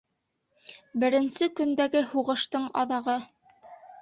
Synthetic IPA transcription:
bɘ̆ɾɘ̆nsɘkɵ̆nd̪æɡɘhuʁɤ̆ʃt̪ɤɴɑ̰ðɑʁɤ

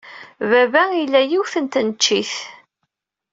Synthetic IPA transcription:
vævæilːæjiwθənt̪nət͡ʃːiθ

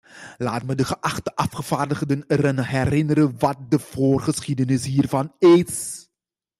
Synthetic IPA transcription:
laːtmədəχəʔɑχtəʔɑfχəv̥aːrdəχdənərənɦɛrɪnəɾəʋɑt̚dəv̥oːrχəsχidənɪsɦiːrvɑnɪːs

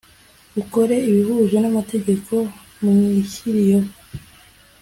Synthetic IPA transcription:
uko̞ɾe̞iβihuːʒwe̞namate̞ɟe̞ko̞ | mumŋiçiɾijo

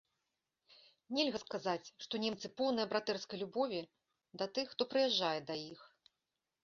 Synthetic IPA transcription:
nʲɛlʲɣɐskazat͡sʲʂt̪ɔnʲɛmt̪sɨpɔwnɐjɐbɾat̪ɛrskɐjlʲubɔvʲi | d̪ɐt̪ɨxːt̪ɔpɾɨjɛʐːajɛd̪ajix

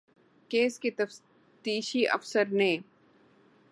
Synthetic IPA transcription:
keːskit̪ɐf | t̪iːʃiʔɐ̰fsəɾnẽː

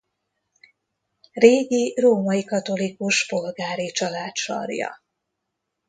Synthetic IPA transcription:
reːɡiroːmɒikɒt̪o̞likuʃpo̞lɡaːɾit͡ʃɒlaːt̪ʃɒ̰rjɒ̰

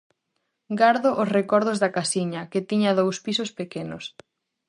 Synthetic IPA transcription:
ɡaɾðoʔosrekɔɾð̞ozðɐkasiɲɐket̪iɲɐðowspisospekenos

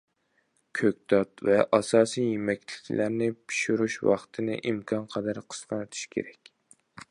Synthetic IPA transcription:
kʲʰøkʲt̪ɑt̪vɛʔɑsɑːsijemɛkʲlɪkʲʰlʔæɾnɪpʰi̥ʃuɾuʃwɑ̰χt̪ʰɨnɨ̰ʔimkʰɑnqʰɑd̪æɾqʰə̥sqɑnɨt̪ʰu̥ʃkʲʰḛɾɛkʲ

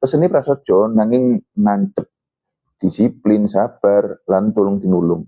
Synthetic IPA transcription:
pəsənipɾasɔd̥ʒ̥ɔnaŋɪŋnaɲt͡ʃəp̚ | d̪̥isiplɪnsab̥arlant̪ulʊŋt̪inulʊŋ

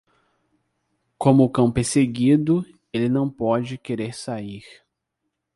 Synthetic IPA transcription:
kõmʊːkɐ̃w̃peɾseɡid̪ʊ | elɪnɐ̃w̃pɔd͡ʒɪkeɾeɾsaiɾ

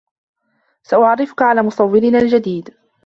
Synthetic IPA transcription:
saʔʊʕarːɪfʊkaʕalaːmʊsˤɑwːɪlɪnaːld͡ʒad̪iːd̪

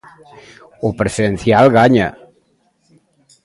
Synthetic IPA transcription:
opɾesiðenθjalɣaɲa̰

